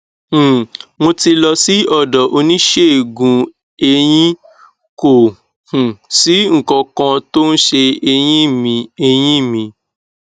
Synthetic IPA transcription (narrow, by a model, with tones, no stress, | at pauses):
w̃õ˧ti˧lɔ˧si˨˦ɔ˦˨dɔ˨ʔo˧nĩ˦ʃe˦e˨ɡũ˧ | e˧j̃ĩ˦ | ko˨ | hũ˨si˨˦ŋ̩˨kɔ̃˧kã˧to˦n̩˦ʃe˧e˧j̃ĩ˦˨mĩ˧e˧j̃ĩ˦˨mĩ˧